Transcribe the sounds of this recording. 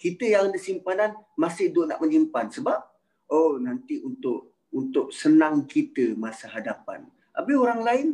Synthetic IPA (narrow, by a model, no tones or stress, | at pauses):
kit̪əjaŋadəsimpananmasɪhdʊʔna̰ʔməɲimpansəbap̚ | onant̪iunt̪ʊʔ | unt̪ʊʔsənaŋkit̪əmasaɦadapa̰n | ʔabəɦoɾaŋlaɪn